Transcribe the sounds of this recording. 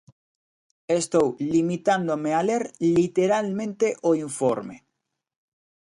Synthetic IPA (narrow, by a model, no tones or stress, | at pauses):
est̪owlimit̪and̪omealeɾlit̪eɾalmẽnt̪eʔoiɱfoɾmḛ